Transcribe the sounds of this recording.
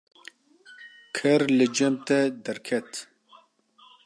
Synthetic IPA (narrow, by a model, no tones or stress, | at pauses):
kʰɛɾlɨd͡ʒɛmt̪ɛd̪ɛɾkʰɛt̪